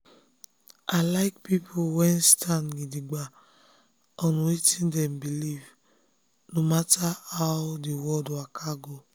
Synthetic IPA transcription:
alaɪkpipʰowɛnstʰanɡidiɡ͡ba | ɔnũwetĩndɛ̃mbiliv | nomataaʊdewɔdakʰaɡo

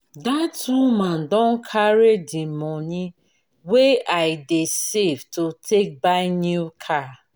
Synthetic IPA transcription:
datuman̩dɔ̃n̩kʰaɾedimɔɲi | weaɪdesevtotʰek̚baɪnjukʰa

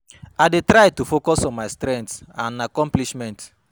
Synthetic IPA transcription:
aɪdetɾaɪtufokɔsɔ̃nmaɪstɾɛ̃ntsãnakɔ̃mpliʃmɛ̃nt

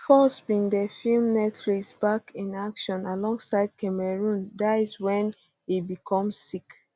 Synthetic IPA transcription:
fɔsbĩŋdəfilmnɛtɹisbakʰĩnakʃɔ̃nalɔ̃ŋɡsaɪd̚kɛmɛɹũndaɪzwɛ̃n | ibikʰɔ̃mzsik

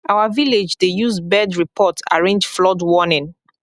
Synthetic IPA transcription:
awaviled͡ʒdejuzbɛdɹipʰɔta̰ɹẽnd͡ʒflɔdwɔnɪ̃n

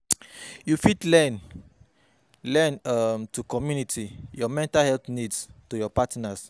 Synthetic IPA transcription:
jufidlɛn | lɛnamtukɔmjunitʰijɔmɛ̃ntalhɛlt̪nidstujɔpatnas

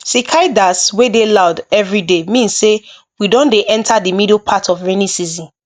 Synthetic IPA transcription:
sikʰaɪdaswedelaʊdɛvɹidemĩnsse | widɔ̃ndeʔɛ̃ntʰadimidlpʰatʰɔvɹenisizĩn

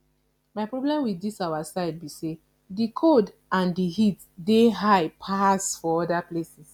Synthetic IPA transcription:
maɪpɹɔblɛ̃mwiθdisawasaɪd̚bise | dikʰod | ãndihit | deɦaɪpʰasfɔɔdaplesis

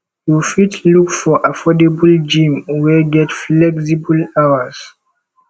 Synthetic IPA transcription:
tufitʰlukfɔʔafɔdebəld͡ʒĩmwɛɡɛtflɛksibəlawəz̥

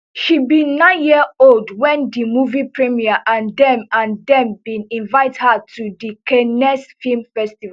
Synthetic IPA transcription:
ʃibĩnːãɪ̃njiəoldwɛ̃ndimuvipʰɹimiaʔãndɛ̃mãndɛ̃mbĩnĩnvaɪthatʰudikɛnɛsfilmfɛstiva

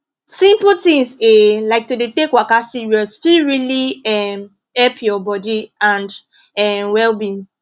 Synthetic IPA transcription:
sĩmputĩŋselaɪk̚todetekwakasiɹiɔsfiɹiliɛm | hɛlpʰjɔbɔdiãnd | ɛmwɛlbi

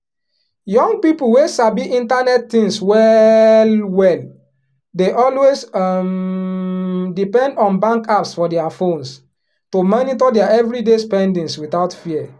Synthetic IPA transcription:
jɔ̃ŋɡ̚pipl̩wesabiʔĩntanɛttĩŋswɛlwɛl | deʔɔlwesm | dipɛ̃ndɔ̃nbãŋkapsfɔdɛafõns | tomɔnitɔdɛaɛvɹidespɛ̃ndĩŋswiθaʊtfiɛ

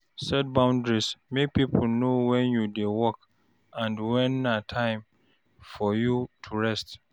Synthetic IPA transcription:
sɛd̚bãʊ̃ndɹismek̚pipʰulnowɛ̃njudewɔk | ãndwɛ̃nːatʰãɪ̃m | fɔjutʰuɹɛst

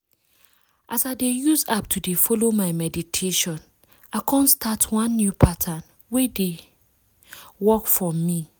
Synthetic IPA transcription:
ʔasaɪdejuzap̚tʰudefɔlomaɪmɛditʰeʃɔ̃n | aɪkʰɔ̃nstʰatʰwãnːjupʰatʰãn | wede | wɔkfɔmi

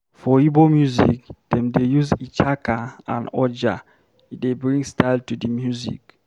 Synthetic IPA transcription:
fɔibomjuzḭkd̥ɛ̃mdejuzit͡ʃakaã̰nɔd͡ʒa | idebɹĩŋstʰaɪltudəmjuzḭk

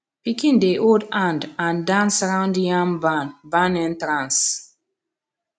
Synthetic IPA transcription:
pikĩndeʔoldãndãndãnsaɹãʊ̃ndjãŋbanbãnɛ̃ntɹãns

